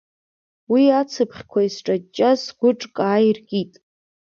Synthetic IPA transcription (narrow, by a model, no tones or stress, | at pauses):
wiat͡sʰɨpʰχʲkʷʰaisʈ͡ʂʼat͡ʃʼːasɡ̥ʷʊʈ͡ʂʼkʼaːjrkʲʼitʼ